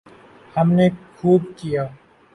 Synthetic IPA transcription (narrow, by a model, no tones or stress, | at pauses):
hɐmnekʰuːb̚kijaː